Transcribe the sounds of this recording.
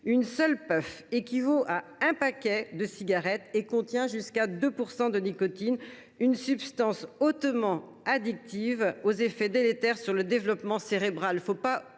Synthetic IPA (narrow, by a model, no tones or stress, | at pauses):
ynsœlpœfekʲivoʔaɛ̃pakʲɛd̪əsiɡaʁɛt̪ekɔ̃t̪jɛ̃ʒyskad̪øpuʁsɑ̃d̪ənikɔt̪in | ynsypst̪ɑ̃sot̪mɑ̃ | ad̪ik̚t̪ivozefɛd̪elet̪ɛʁsyʁləd̪evlɔpmɑ̃seʁebʁalfopa